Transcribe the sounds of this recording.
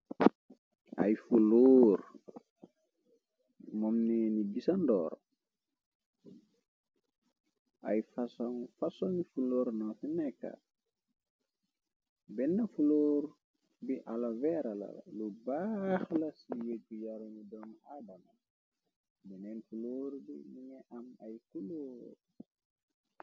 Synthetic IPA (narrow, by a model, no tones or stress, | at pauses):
ɐ̰jfuloːɾ | mɔmnɛniɡisɐndɔ̰ːɾ | ʔɐjfɐsɔŋfɐsɔŋifuloːɾnɔfinɛkːa̰ | bɛnːɐfuloːɾ | biʔalavɛɾɐlɐ̰l̰lubaxlɐsijekːujaɾuŋudɔŋaːdɐma | binɛnfuloːɾbiniŋɛʔɐmɐjkuloːɾ